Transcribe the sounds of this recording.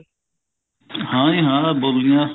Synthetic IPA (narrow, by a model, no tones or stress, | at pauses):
hãːĩɦãːboːlijãːs